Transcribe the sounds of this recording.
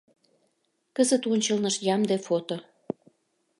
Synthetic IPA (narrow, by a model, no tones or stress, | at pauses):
kəzət̪onʲt͡ɕəlnəʃjɑmd̪efot̪o